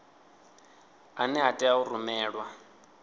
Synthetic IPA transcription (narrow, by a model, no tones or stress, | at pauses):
anɛɦatʼɛaurumɛːɺwa